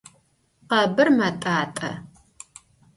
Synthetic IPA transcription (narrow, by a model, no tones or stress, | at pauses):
qɐbɨrmɐtʼaːtʼɐ̰